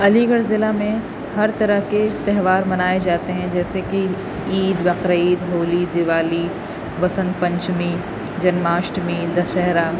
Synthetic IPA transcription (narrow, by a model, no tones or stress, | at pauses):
ɐliɡəɽzɪlamẽ | hɐɾt̪ɐɾəɦket̪ɛɦʋaːɾmɐnaːed͡ʒaːt̪eɦɛ̃d͡ʒɛːseki | iːd̪bɐqɾaiːd̪ɦoːlid̪ɪʋaːli | bɐsə̃nd̪pɐ̃ɲt͡ʃmi | d͡ʒɐnmaːʃʈmid̪ɐʃɛɦɾaː